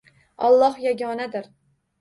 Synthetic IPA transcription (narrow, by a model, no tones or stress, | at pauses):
ɒlˠːɒhjaɡʲɒnad̪ɪɾ